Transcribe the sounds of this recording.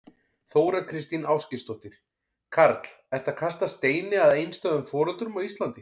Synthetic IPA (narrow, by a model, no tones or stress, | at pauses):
θoːwɾakʰɾɪst̪inaːwscɪst̪ɔht̪ɪɾ̥ | kʰaɾt̪l̥ɛɾ̥t̪akʰast̪ast̪eːjnɪaðejnst̪œðʏmfɔːɾʏlt̪ɾʏmawist̪lant̪ɪ